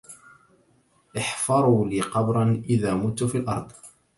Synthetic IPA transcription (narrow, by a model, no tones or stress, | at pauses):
ʔɪħfɑɾˤuːliːqɑbɾˤɑnʔɪðaːmʊt̪ːfiːlʔɑ̰ɾˤd̪ˤ